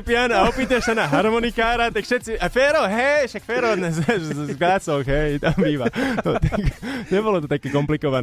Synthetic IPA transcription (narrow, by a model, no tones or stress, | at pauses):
pɪanaɔpiːt̪aʃsanaɦaɾmɔnikaːɾat̪akʃɛt̪t͡siafɛɾɔɦɛʃakfɛːɾɔd̪ɲɛsɦɛʒɡlat͡sɔxɦɛjt̪ambiːʋanɔt̪akɲɛbɔlɔt̪ɔt̪akɛːkɔmplikɔʋan